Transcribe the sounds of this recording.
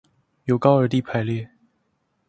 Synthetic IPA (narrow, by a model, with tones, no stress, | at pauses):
jo˨˧˥ʊkɑ˥ʊə˞˧˥t̪i˥˩pʰa˧˥ɪljɛ˥˩